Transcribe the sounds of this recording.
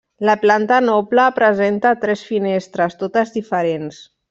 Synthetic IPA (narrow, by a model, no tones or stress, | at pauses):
ləplant̪ənɔpləːpɾəzent̪at̪ɾɛsfinest̪ɾəst̪ot̪əzðifəɾens